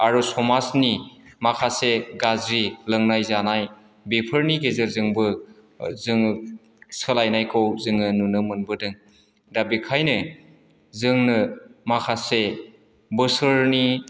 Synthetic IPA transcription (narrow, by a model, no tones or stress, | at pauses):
aɾɔsɔmasnimakʰaseɡazɾilɯŋnajzanaj | bepʰɯɾniɡezɯɾzɯŋbɯ | zɯŋ | sɯlajnajkʰɯwzɯŋɯnunɯmɯnbɯdɯŋ | dabikʰajnɯ | zɯŋnɯmakʰase | bɯsɯɾni